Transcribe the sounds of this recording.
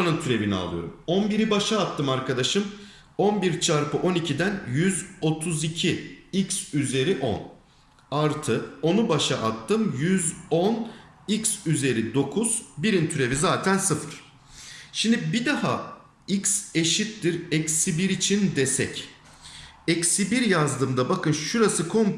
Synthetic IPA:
anɯnt̪ʰyɾe̞vinia̰lˠɯjo̞̰ɾumonbiɾibaʃaːt̪ːɯmaɾkʰad̪aʃɯm | onbiɾt͡ʃʰaɾpɯʔo̞nicʰid̪ænjyzo̞t̪ʰuzicʰiicsyze̞ɾiʔo̞̰n | aɾt̪ʰɯo̞nubaʃaʔat̪ːɯmjyzon | icsyze̞ɾid̪o̞kʰuz̥biɾint̪ʰyɾe̞vizaːt̪ʰænsɯfɯɾ̥ | ʃimd̪ibid̪aɦa̰ | icse̞ʃit̪̚t̪iɾɛcsibiɾit͡ʃʰind̪esɛ̰c | ɛcsibiɾjazd̪ɯmd̪abakʰɯnʃuɾasɯkʰom

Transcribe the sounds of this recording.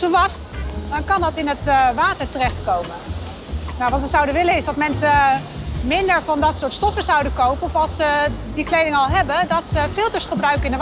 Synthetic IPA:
səʋɑstdɑnkɑndɑtɪnətʋaːtəɹtərɛχtkowmə | nawʋɑtʋəzʌwdəʋɪləɪzdɑtmɛnsə | mɪndəɹvɑndɑtsʊːɹtstɔfəzʌwdəkowpənɔfɑlˠsədiklejdɪŋəɑlˠɦɛbədɑtsəfɪlˠtəɹsχəbrœɥkəɪndə

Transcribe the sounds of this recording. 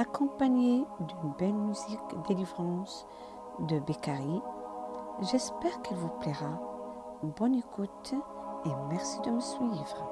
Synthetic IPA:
akɔ̃paɲed̪ynbɛlmyzikd̪elivʁɑ̃s | d̪əbekaʁi | ʒɛspɛʁkilvupleʁa | bɔnekut̪emɛʁsid̪əməsɥivʁ

